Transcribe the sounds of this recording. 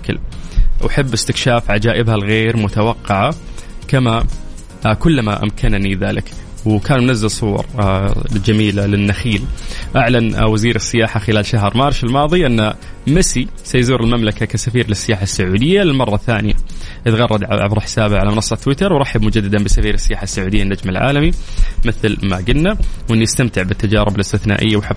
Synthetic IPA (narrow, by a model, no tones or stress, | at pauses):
kɪ̰lwʔaħɪbːɪst̪ɪkʃaːfʕad͡ʒaːʔɪbhalɣeːɾmʊt̪awɑqːɑʕakama | kʊlːmaʔa̰mkʰanniðaːlɪk | wkaːnmʊnazːɪlsˤuwɑ̰ɾˤ | d͡ʒamiːlalɪnːaxiːlʔaʕlanwaziːɾɪsːɪjaːħaxɪlaːlʃaɦɾˤmaːɾˤʃɪlmɑːðˤiʔɪnːa | mɪsi | sajzuːɾɪlmamlakakasafiːɾlɪsːɪjaːħasːʊʕuːd̪ɪjːalɪlmɑrˤːɑθaːnɪja̰ʔɪt̪ɣɑrˤːɑd̪ʕʕabɾˤɑħɪ̥saːbaʕalamɪnɑsˤːɑt̪ːwɪt̪ɑɾˤwɾˤɑħabmʊd͡ʒad̪ːad̪anbɪsafiːɾɪsːɪjaːħasːʊʕuːd̪ɪjːanːad͡ʒmɪlʕa̰ːlamimɪθlma̰ɡɪnːawʔɪnːiɪst̪amt̪ɪʕbɪt̪ːad͡ʒaːɾɪbɪlɪst̪ɪθna̰ːʔɪ̰jːawħab